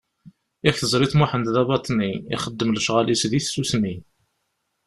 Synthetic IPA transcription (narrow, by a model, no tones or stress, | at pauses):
æçθəzˤɾiθmuħənðɑbɑt̪ˤniḭχəd̪ːəmləʃʁalisðiθsusmi